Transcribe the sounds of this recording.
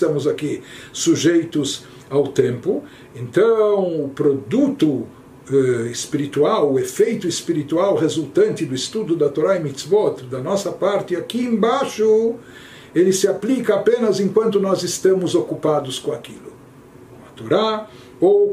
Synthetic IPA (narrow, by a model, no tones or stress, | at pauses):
st̪ɐ̃mʊzakisuʒejt̪ʊz | awt̪ẽmpʊ | ẽnt̪ɐ̃w̃ʊpɾod̪ut̪ʊ | ɛɪspiɾit̪uawʊefejt̪ʊispiɾit̪uawʁezult̪ɐ̃nt̪ɪd̪ʊist̪ud̪ʊd̪ɐt̪oɾaɪmit̪sbɔt̪ɾd̪ɐnɔsɐpaɾt̪ɪakiẽbaʃʊ | elɪsɪaplikɐapẽnɐzẽŋkwɐ̃nt̪ʊnɔzɪst̪ɐ̃mʊzokupad̪ʊskõakilʊ | õɐt̪oɾa | ow